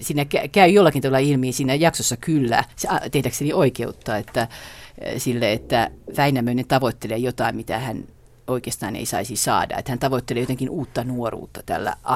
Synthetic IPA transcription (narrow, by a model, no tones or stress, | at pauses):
siːnækækæyjolːɑkint̪ɑʋɑlːɑilmiːsiːnæjɑksosːɑkylːæ̰sɑt̪ehdækseniʔoikeut̪ːɑːet̪ːæ | silːeet̪ːæʋæinæmøinent̪ɑʋot̪ːeleːjot̪ɑimmit̪æ̰hæn | oikeːst̪ɑ̰ːnḛisɑ̰isisɑ̰ːdɑ̰ḛt̪hænt̪ɑʋot̪ːeleːjot̪eŋkinuːt̪ːɑnuorṵːt̪ːɑ̥t̪æ̰lːæ̰ʔɑ